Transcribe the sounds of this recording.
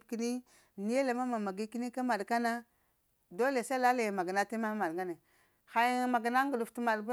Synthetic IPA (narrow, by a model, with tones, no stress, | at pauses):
ki˦ni˦ | ni˦e˦la˨ma˦ma˨ma˨ɡi˦ki˦ni˦ka˦ma˨dka˦na˦ | do˦le˨sa˦la˦la˨jma˨ɡa˨na˦ti˦ma˦ma˨dŋɡa˦ne˨ | xa˨jma˨ɡa˨na˦ŋ˦ɡu˨du˨fti˦ma˨dba˦